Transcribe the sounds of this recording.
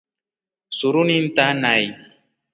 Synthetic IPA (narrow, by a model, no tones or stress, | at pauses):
sʊɾʊnɪnt̪anaj